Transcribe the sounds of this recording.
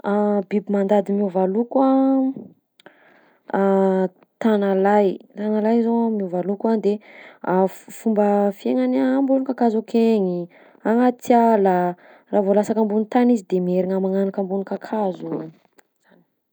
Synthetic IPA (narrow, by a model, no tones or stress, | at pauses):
abibimand̪ad̪imiovalukua | t̪analajt̪analajzomiovalukand̪eafumbəfieŋanambulunkakazokʰeɲi | aŋat̪ialə | raːvolasakambunit̪anizid̪emieɾiŋamaŋanakambunikakʰazu̥ | an